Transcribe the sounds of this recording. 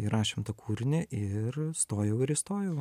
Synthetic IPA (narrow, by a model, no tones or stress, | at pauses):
iɾɑːʃʲemt̪ɐkʰuːɾʲɪnʲɛʔɪɾst̪oːjɛʊɪɾɪst̪oːjɛʊ